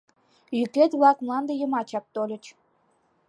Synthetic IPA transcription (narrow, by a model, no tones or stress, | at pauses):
jykʲet̪βlˠɑkmlˠɑnd̪ə̆jə̆mɑt͡ɕɑk̚t̪olʲə̆t͡ɕ